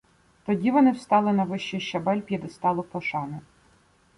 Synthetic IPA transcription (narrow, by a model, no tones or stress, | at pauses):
t̪ɔdʲiʋɔnɪwst̪ɑlˠɪnɐʋɪʃt͡ʃijʃt͡ʃɐbɛlʲpʲid̪ɔst̪ɑlˠɔpɔʃɑnɪ